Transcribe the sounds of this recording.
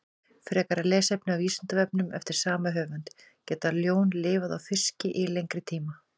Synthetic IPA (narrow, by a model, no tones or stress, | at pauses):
fɾɛːkaɾalɛːsɛpnɪawiːsant̪avɛp̚nʏmɛ̰ft̪ɪɾ̥saːmaɦœːvant̪ | cɛːt̪aljoːwnlɪːvaðawfɪr̥scɪʔɪlejŋkɾɪt̪ʰiːma